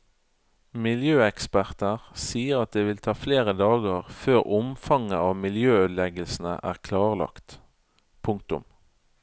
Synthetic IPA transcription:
mɪljøːɛkspæʁt̪əʁsiːəʁɑt̪̚d̪eːʋɪlt̪ʰɑːfleːʁəd̪ɑːɡəʁføːʁʊmfɑŋəɑːʋmɪljøːøːd̪lɛɡəlsn̩ə̰ʔæ̰ːʁkʰlɑːʁlɑ̰kt̪ | pʰʊŋk̚t̪ʊ̰m

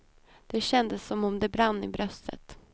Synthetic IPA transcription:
d̪̥ɛɕɛnd̪əsːɔmɔmd̪ɛbɾanːɪ̰bɾœst̪ə̰t̪

